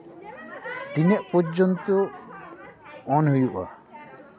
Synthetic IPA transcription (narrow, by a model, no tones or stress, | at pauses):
t̪iɲɛʔpɔd͡ʒɔnt̪ɔ | ɔnɦujuʔa̰